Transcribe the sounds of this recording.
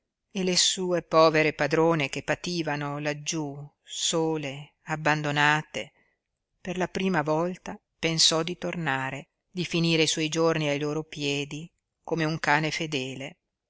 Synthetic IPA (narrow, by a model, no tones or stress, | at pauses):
elesuːepɔːveɾepad̪ɾoːnekepːat̪iːvanolad͡ʒːu | soːle | abːand̪onaːt̪e | perlapɾiːmavɔlt̪a | pensɔd̪it̪ornaːɾe | d̪ifiniːɾeiswɔjd͡ʒorniajloːɾopjɛːd̪i | komeuŋkaːnefed̪ɛːle